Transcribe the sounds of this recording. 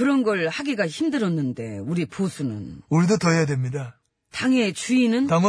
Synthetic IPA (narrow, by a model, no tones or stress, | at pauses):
kɯɾʌnɡʌɭhaɡiɡaçimdɯɾʌnːɯnde̞̰uɾipʰosʰunɯ̰noɾidotʌɦejadwemɲida | taŋe̞t͡ɕuinɯntaŋʌ